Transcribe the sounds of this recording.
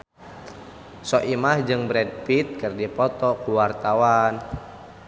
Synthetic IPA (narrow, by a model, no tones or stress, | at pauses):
sɔʔimahd͡ʒɨŋbɾɛd̚pit̪̚kɨrdipɔt̪ɔkuwart̪awan